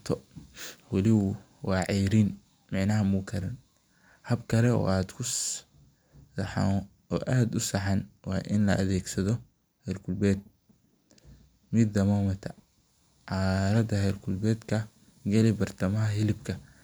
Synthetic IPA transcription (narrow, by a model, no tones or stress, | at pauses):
t̪ʰɔ | wɑlɪwʊ | wɑːʕɑjɾin | mɑʕnɐɦɐmukʰɐɾɐn | hɐbkʰɐɾɛɔ̰ːaːd̪kʰʊ | ħa̰ | ɔːʔaːd̪ʊsɑħɑnwɑ̰ːʔɪnlɐʔɐ̰ðɛːɡsɐðɔ | hɛjlkʰʊlbɛːd̪̚ | mɪd̪ːɐmɔːmɐt̪ʰɐ | ʕɑːɾɐd̪ɐhɛjlkʰʊlbɛːd̪kʰɐ | ɡɐlɛbɐrt̪ʰɐmɐɦɐɦɪlɪbkʰɐ